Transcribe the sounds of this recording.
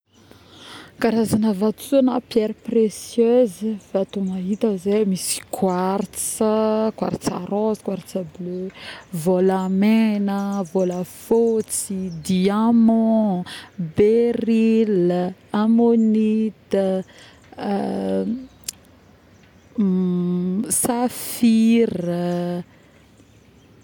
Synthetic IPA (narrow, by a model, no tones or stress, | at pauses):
kaɾazanəvat̪t͡suanapjɛɾpresjøzivat̪umaɦit̪əzemisi̥kʰwaɾt͡səkwa̰ɾt͡sa̰ɾɔz̥kwaɾt͡səbløvolamenəvolafot͡sid̪iamɔ̃ | beɾilamonit̪ə | safirə